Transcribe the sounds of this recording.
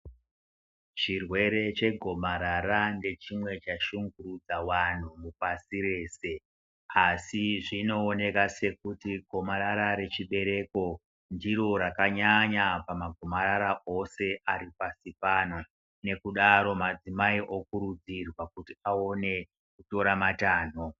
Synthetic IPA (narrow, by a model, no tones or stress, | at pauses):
t͡ʃirwe̞ɾe̞t͡ʃe̞ɡʱo̞maɾaɾande̞t͡ʃimwe̞t͡ʃaʃuŋɡurud͡zawan̤umupasiɾe̞ːse̞ | asiʐino̞ːne̞kase̞kutiɡʱo̞maɾaɾaɾe̞t͡ʃiɓe̞ɾe̞ko̞ | ndiro̞ɾakaɲaɲapamaɡʱo̞maɾaɾaʔo̞se̞ʔaɾipasipano | ne̞kuɗaɾo̞mad͡zimaiʔokuɾud͡zirwakutiao̞ne̞ | kuto̞ɾamataːn̤o